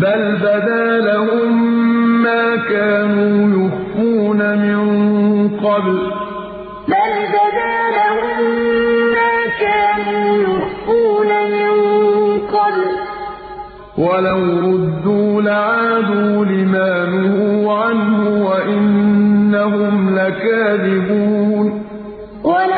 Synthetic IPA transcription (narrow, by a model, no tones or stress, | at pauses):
balbad̪aːlahʊmː | aːkaːnuːjʊxfuːnamɪŋqɑbl | balbad̪aːlahʊmː | aːkaːnuːjʊxfuːnamɪɴŋqɑbl | walamɾʊd̪ːuːlaʕaːd̪uːlɪmaːnʊhʊʕanhʊwaʔɪnːaɦʊmlakaːðɪbuːn | wa